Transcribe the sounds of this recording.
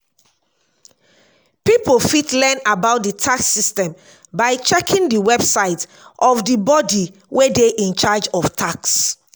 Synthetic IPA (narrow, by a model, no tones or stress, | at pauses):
pipolfitlɛnabaʊt̚ditʰaksːistɛ̃m | baɪt͡ʃɛkʰĩŋdiwɛbsaɪt | ʔɔfdibɔdiwʔedeʔĩnt͡ʃad͡ʒɔftʰaks